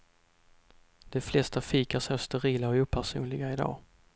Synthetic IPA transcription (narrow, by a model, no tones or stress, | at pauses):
d̪̥ɛflɛst̪afiːkaʂɛst̪ɛɾiːlaɔuːpʰæʂṵːnlɪɡaɪd̪ɑ̰ː